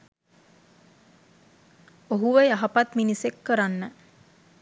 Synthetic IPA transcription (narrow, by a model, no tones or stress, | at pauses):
oɦuʋəjaɦapat̪minisekːəɾanːə